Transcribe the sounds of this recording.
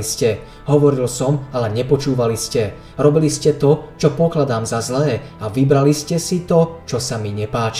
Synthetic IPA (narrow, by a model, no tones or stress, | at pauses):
iscɛ | ɦɔʋɔɾilsɔmalɛɲɛpɔt͡ʃuːʋaliscɛ | ɾɔbiliscɛt̪ɔt͡ʃɔpɔklad̪aːmzazlɛː | aʋibɾaliscɛsit̪ɔt͡ʃɔsamiɲɛpaːt͡ʃi̥